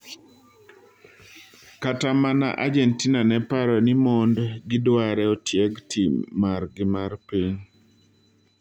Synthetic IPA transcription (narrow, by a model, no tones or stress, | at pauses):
katamana̰ʔa̰d͡ʒɛntinanɛpaɾɔnimɔndɡɪdwaɾɛɔtjɛɡtʰimːarɡɪmarpiɲ